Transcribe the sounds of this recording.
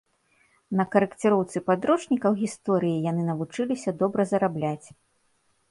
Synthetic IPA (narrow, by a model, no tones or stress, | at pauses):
nɐkɐɾɨkt͡sʲɨɾɔwt̪sɨpad̪ɾɔt͡ʂnʲikɐwɣʲist̪ɔɾɨjijanɨnɐvut͡ʂɨlʲisʲɐd̪ɔbɾɐzɐɾablʲat͡sʲ